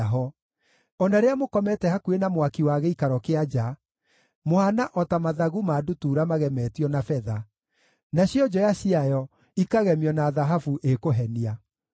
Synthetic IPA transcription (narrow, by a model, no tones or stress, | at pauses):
ɦɔ | ɔnaɾeamokɔmɛtɛhakuenamwakiwaɣɛikaɾɔkead͡ʒa | mohanaʔɔtamaðaɣumaːdutuːɾamaɣɛmɛːtiɔnafɛða | naɕiɔd͡ʒɔjaɕiajɔ | ikaɣɛmiɔnaːðaɦafuʔekoɦɛnia